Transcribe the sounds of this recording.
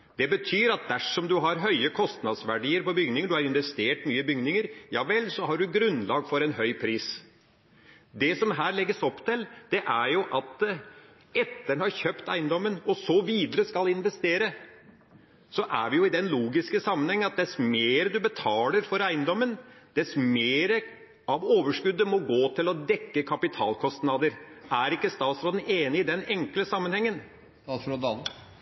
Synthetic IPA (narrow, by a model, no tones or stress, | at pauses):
d̪̥ɛbət̪ʰyːɾɑt̪̚d̪æʂɔmd̪ʉɦɑɾɦœʏəkʰɔst̪nɑd̪sʋæɖiːəɾpɔbʏɡnɪŋəɖʉhɑɾɪnʋɛst̪eːʈmyːəbʏɡnɪŋəɾjɑːʋɛlsɔɦɑɖʉɡɾʉnlɑːɡfɔɾɛnɦœʏpʰɾiːs | d̪ɛsɔmɦæːɾɭɛɡːəsɔpːt̪ɪld̪̥ɛʔæɾjʊʔɑt̪ | ɛt̪ːəɳhɑɾçøːpt̪æ̰ɪnd̪ɔmːənɔsɔʋiːd̪əɾəskɑlɪnʋɛst̪eːɾə | sɔʔæ̰ɾʋɪjʊɪd̪ɛnluːɡɪskəsɑmːənhɛŋːənɑt̪̚d̪ɛsmeːɾəd̪ʉbət̪ʰɑːləɾfɔɾæɪnd̪ɔmːənd̪̥ɛsmeːɾə | ɑʋoːʋəʂkʉd̪ːəmɔɡoːt̪ʰɪlɔd̪ɛkːəkʰɑpɪt̪ʰɑ̰ːlkʰɔst̪nɑd̪əɾæɾɪkːəst̪ɑːt̪sɾoːd̪neːnɪɪd̪ɛnɛŋkləsɑmːənhɛŋːən | ɾod̪ɑ